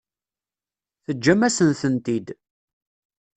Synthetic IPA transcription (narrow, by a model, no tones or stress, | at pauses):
θəd͡ʒːæmæsənθənt̪id̪